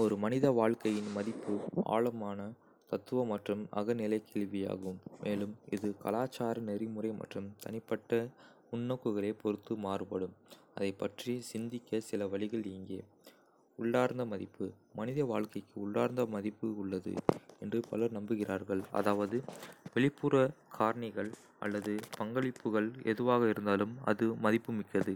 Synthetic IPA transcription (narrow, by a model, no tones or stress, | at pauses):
ɔɾɯmɐnɪðɐʋaːɭkɐjɪnmɐðɪpːɯʔa̰ːɭɐmaːnɐ | t̪ɐt̪ːɯʋɐmɐʈrɯmɐ̰ɣɐnɪlɐɪkeːɭʋɪja̰ːɣɯmːeːlɯmʔɪ̰ðɯkɐ̰laːt͡ʃːaːɾɐnɛɾɪmɯrɐɪmɐ̰ʈrɯmt̪ʰɐ̰nɪpːɐʈːɐ | ʊnːɐkːɯɣɐɭeːpɔɾɯt̪ːɯmaːrɯpɐɽɯm | ɐ̰ðɐɪpːɐʈrisɪnd̪ɪkːɐsɪlɐʋɐɭɪɣɐɭɪːŋɡeː | ʊɭːaːɾnd̪ɐmɐðɪpːɯ | mɐnɪðɐʋaːɭkɐɪkːɯʊɭːaːɾnd̪ɐmɐðɪpːɯʊɭːɐðɯ̰ɛndrɯpɐlɐɾnɐmbɯɣɪraːɾɣɐɭɐ̰ðaːʋɐðɯʋɛɭɪpːuːɾɐkʰaːɾɐɳɪɣɐɭ | ɐ̰lːɐðɯpɐŋɡɐɭɪpːɯɣɐɭɛ̰ðɯʋaːɣɐɪɾɯnd̪aːlɯmɐ̰ðɯːɐðɪpːɯmɪkːɐðɯ